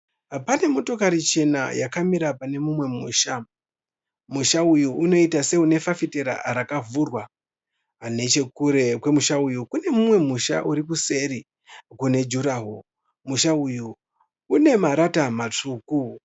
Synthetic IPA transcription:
pane̞muto̞kaɾit͡ʃe̞na̰jakamiɾapane̞mumwe̞muːʃa | muʃaujuʔuno̞itase̞une̞fafite̞ɾa̰ɾakavuːrwa | ne̞t͡ʃe̞kuɾe̞kwe̞muʃaujukune̞mumwe̞muʃa̰ʔuɾip̬use̞ɾi | kune̞d͡ʒuɾaɦo | muʃaujuː | ne̞maɾatamat͡ʂuːku

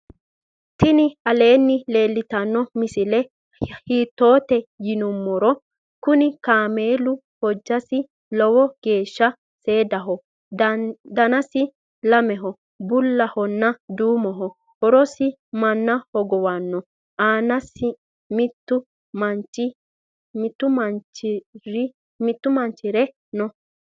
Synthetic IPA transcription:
t̪ɪnɪɐle̞ːnːɪle̞ːlːɪt̪ɐnːɔmɪsɪlɛ | hiːt̪ːo̞ːt̪ɛjɪnʊmːɔɾɔ | kʊnɪkaːmeːlʊ | hɔd͡ʒːɐsɪ | lɔwɔɡ̥e̞ːʃːɐ | se̞ːd̪ɐɦɔ | d̪ɐnɐsɪ | lɐmɛɦɔ | bʊlːɐhɔnːɐd̪uːmɔɦɔ | hɔɾɔsɪ | mɐnːɐhɔɡɔwanːɔ | ʔaːnɐsɪ | mɪt̪ːʊ | mɐnt͡ʃːɪ | mɪt̪ːʊmɐnt͡ʃɾɪ | mɪt̪ːʊmɐnt͡ʃːɪɾɛ | nɔ

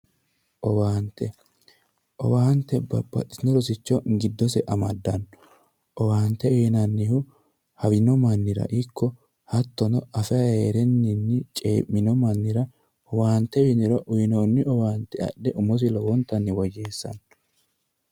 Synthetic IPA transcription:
ʔɔwaːnt̪ɛ | ʔɔ̰waːnt̪ːɛbɐ̰bːɐ̰ɗɪnɔɾɔsɪt͡ʃːɔɡɪd̪ːɔsɛʔɐmɐd̪ːɐnɔ | ʔɔwaːnt̪ɛeːnɐnːɪhʊ | hɐwɪnɔmɐnːɪɾɐ̰ʔɪkʰːɔ | hɐt̪ːɔnɔɐfɛɐheːɾɛnːɪnːɪt͡ʃʼḛːmːɪnɔmɐnːɪɾɐ | ʔɔwaːnt̪ɛwɪnɪɾɔʔʊjɪnoːnːɪɔwaːnt̪ɛɐ̰ɗːɛʔʊmɔs̬ɪlɔwɔnt̪ːɐnːɪwɔd͡ʒe̞ːsːɐ̰n

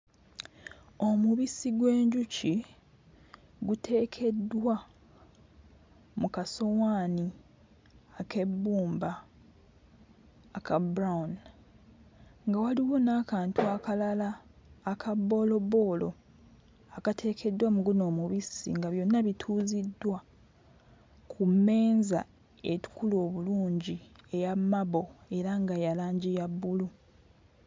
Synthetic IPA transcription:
o̞muβisiɡwe̞ːɲɟuci | ɡutʰe̞ːkʰe̞dːwa | mukaso̞waːni | ake̞bːuːmba | kabɾaun | ŋɡawaliwo̞naːkaːntuakalalaːkʰabːo̞lo̞bo̞ːlo̞ | akatʰe̞ːkʰe̞dːwamuɡuno̞ːmuβisḭŋɡaβjo̞nːaβitʰuːzidːwa | kʰumːe̞ːnza | e̞tu̥kulo̞ːβuluːɲɟie̞jamːaβo̞e̞ɾaŋɡajalaːɲɟijabːulu

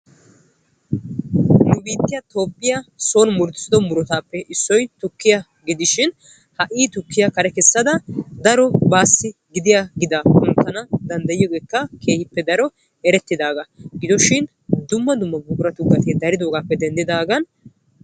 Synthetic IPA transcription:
nʊbiːt̪ːɪjɐt̪o̞ːpʼːɪjaso̞ːnmʊɾt̪sɪd̪ɔmʊɾɔt̪aːpːɛʔɪsːɔjt̪ʊkːɪjɐ | ɡɪd̪ɪʃɪn | hɐʔiːt̪ʊkːɪjɐkɐɾɛkɛsːɐd̪ɐd̪ɐɾɔbaːsːɪɡɪd̪ɪjaɡɪd̪akʊnt̪ːɐnɐd̪ɐnd̪ɐjɪjɔɡe̞ːkːɐkʰe̞ːhɪpːɛd̪ɐɾɔ | ɛɾɛt̪ːɪd̪aːɡɐɡɪd̪ɔʃɪn | d̪ʊmːɐd̪ʊmːɐbʊbʊɾɐt̪ʊɡːɐt̪eːd̪ɐɾɪd̪oːɡaːpːɛd̪ɛnd̪ɪd̪aːɡɐn

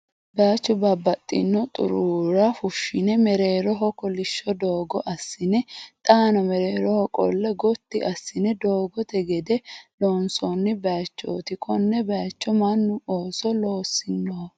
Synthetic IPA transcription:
bat͡ʃːʊbɐbːɐt̪ʼːɪ̰nːɔt̪ʼʊ̰ɾuɾɐfʊʃːɪnɛmɛɾe̞ːɾɔɦɔkʼɔlɪʃːɔd̪oːɡɔʔɐsːɪnɛt̪ʼaːnɔmɛɾeːɾɔhɔkʼɔ̰lːɛɡɔt̪ːɪʔɐsːɪnɛd̪oːɡɔt̪ɛɡɛd̪ɛloːnsɔnːɪbɐt͡ʃːo̰ːt̪ɪkʼɔnːɛbɐjt͡ʃːɔmɐnːʊoːsɔloːsːɪnːo

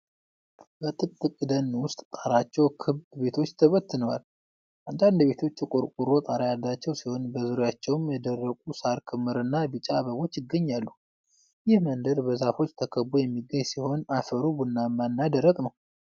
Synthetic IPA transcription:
bət̪ʼɨkʼt̪ʼːɨkʼɨd̪ənwʊst̪ʼt̪ʼaɾat͡ʃːɛwkʰɨβd̪be̞t̪ʰo̞t͡ʃːt̪ʰəβət̪ːɨnəwal | ʔand̪and̪βe̞t̪ʰo̞t͡ʃːkʼʊɾkʼuɾo̞t̪ʼaɾajalːat͡ʃːɛwsiho̞nbəzɨɾojat͡ʃːɛwmjɛd̪ərːəkʼusaɾkʰɨmːɨɾɨnːabɨt͡ʃʼaβəβo̞t͡ʃːɪɡːəɲːalːu | jɪhmənd̪əɾbəzafo̞t͡ʃːt̪ʰəkʰəbːujɛmːiɡəɲsiho̞nafəɾubɨnːamanːad̪əɾːəkʼnəw

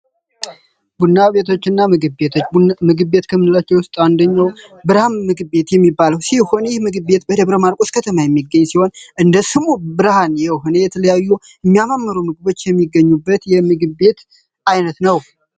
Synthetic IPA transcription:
bunːaβe̞t̪ʰo̞t͡ʃːɨnːamɨɡɨbbe̞t̪ʰo̞t͡ʃːmɨɡɨbbe̞t̪kʰəmːɨnɨlat͡ʃːɛwʊst̪ʼand̪əɲːawbɨɾhanmɨɡɨbe̞t̪jɛmːibːaləwsiho̞njɛhmɨɡɨbe̞t̪bəd̪əβɾəmaɾkʼoskʰət̪ʰəmajɛmːiɡːəɲːsiho̞nʔɨnd̪əsɨmubɨɾhanjɛwɦunejɛt̪ʰələjajːu | ɨmːijamamːəɾumɨɡɨβo̞t͡ʃːjɛmːiɡːəɲːubːət̪jɛmɨɡɨbe̞t̪ | ajnət̪nəw

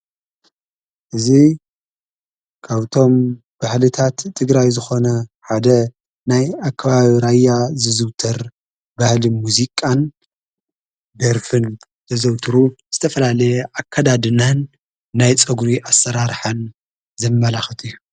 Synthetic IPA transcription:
ʔɨzi | kʰaβt̪ʰo̞m | b̥ahlɨt̪ʰat̪ʰːɨɡɾajzɨxo̞nɐħad̪ɐ | najakʰːɐβaβiɾajːazɨzɨwt̪ʰɐɾ | bahlimuzikʼːan | d̪ɐɾfɨn | t̪ʰɐzɐwt̪ʰɨɾuz̥ɨt̪ʰɐfɐlalɐjɛʔakʰːad̪ad̪ɨnanː | ajt͡sʼɐɡɾiʔasːɐɾaɾħan | zɐmːɐlaxɐt̪ʰujːu

